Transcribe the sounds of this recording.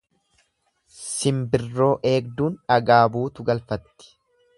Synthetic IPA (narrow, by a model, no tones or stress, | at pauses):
sɪmbɪrːo̞ːʔe̞ːɡ̚d̪uːnᶑɐɡaːbuːt̪ʊɡɐlfɐt̪ːɪ̥